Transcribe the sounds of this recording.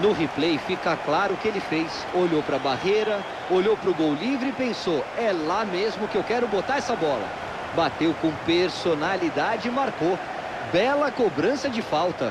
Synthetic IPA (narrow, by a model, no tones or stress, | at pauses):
nʊɦiplejfikɐklaɾʊʊkɪelɪfejs | oʎowpɾɐbahejɾɐ | oʎowpɾʊɡowlivɾɪipẽsoɛlamezmʊkɪewkɛɾʊbot̪aɾɛsɐbɔlɐ̰ | bat̪ewkõpeɾsonalid̪ad͡ʒɪimaɾko | bɛlɐkobɾɐ̃sɐd͡ʒɪfawt̪ɐ̰